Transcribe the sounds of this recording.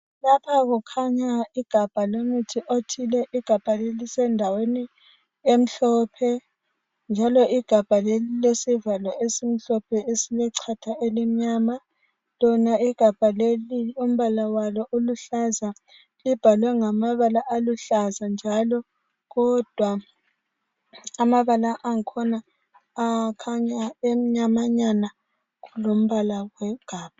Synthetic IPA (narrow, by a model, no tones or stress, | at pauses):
lapʰaɣukʰaɲaiɡ̥ʱab̥ʱalomutʰiʔotʰilɛʔiɡ̥ʱab̥ʱalelisɛndʱaweni | em̩ɬɔpʰɛ | nd͡ʒʱalɔiɡ̥ʱab̥ʱalelilesivalɔʔesim̩ɬɔpʰɛesilɛǀʰatʰaʔelim̩ɲaːma | lɔnaiɡ̥ʱab̥ʱaleliom̩βalawalɔʔoluɬaza | lib̥ʱalwɛŋamaβalaʔaluɬazand͡ʒʱalɔ | ɣɔd̥ʱwa | amaβalaʔːŋkʰɔnaː | kʰaɲaem̩ɲamaɲana | ɣulom̩βalawɛɡ̥ʱaːb̥ʱa